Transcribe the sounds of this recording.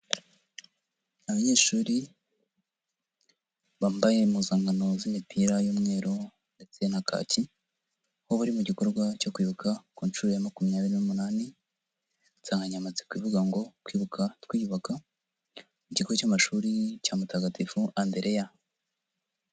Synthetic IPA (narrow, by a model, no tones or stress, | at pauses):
aβaɲeːʃuːɾi | βaːmbaje̞muzaːŋɡano̞zimipʰiɾajuːmŋe̞ːɾo̞ | nde̞t͡se̞nakʰa̰ːci | hoβuɾimuɟiko̞ɾɡwaco̞kwiːβukʰakuːnʃuːɾojamakumijaːβiɾinumunaːni | saːŋɡaɲamat͡se̥kwiːvuɡaŋɡo̞tkwiːβukʰatwiːuβaka | muɟikcamaʃuːɾicamutaɡatʰifuʔande̞ɾʔe̞ja